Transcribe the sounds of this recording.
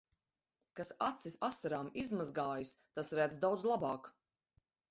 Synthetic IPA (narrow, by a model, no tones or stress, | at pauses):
kasat̪sisast̪aɾaːmizmazɡaːjist̪asɾæd̪zd̪awd̪zlˠabaːk